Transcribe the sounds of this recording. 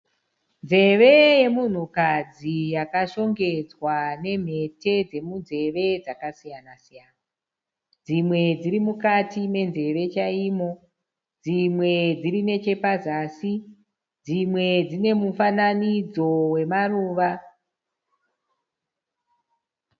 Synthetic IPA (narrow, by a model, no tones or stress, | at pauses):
nze̞ʋe̞je̞mun̤ukad͡zijakaʃo̞ŋɡe̞d͡zwane̞m̤e̞te̞d͡ze̞munze̞ʋe̞d͡zakasijanasijaːna | d͡zimwe̞d͡zirimukatime̞nze̞ʋe̞t͡ʃaiːmo̞ | d͡zimwe̞d͡zirine̞t͡ʃe̞pazaːsi | d͡zimwe̞d͡zine̞mufananid͡zo̞we̞maruːʋa